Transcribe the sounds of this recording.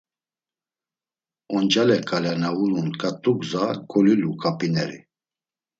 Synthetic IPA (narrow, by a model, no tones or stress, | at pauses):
ɔnd͡ʒalɛkʼalɛnaulunkʼat̪ʼuɡzakʰʼɔlilukʼapʼinɛɾḭ